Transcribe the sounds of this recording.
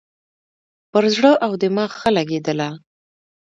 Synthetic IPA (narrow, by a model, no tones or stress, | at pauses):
pəɾzɽəʔawd̪əmɑxəlaɡed̪əla